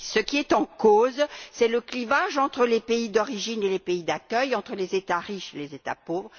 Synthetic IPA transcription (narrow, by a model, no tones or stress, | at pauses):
səkʲiɛt̪ɑ̃kozsɛləklivaʒɑ̃t̪χəlepeid̪ɔʁiʒinelepeid̪akʲœjɑ̃t̪χəlezet̪aʁiʃelezet̪a̰povʁə